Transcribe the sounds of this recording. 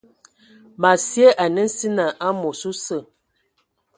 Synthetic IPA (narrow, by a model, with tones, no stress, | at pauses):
ma˨sje˦ʔa˨nə˦n̩˦si˦na˨ʔa˦mo˨su˦sə˦˨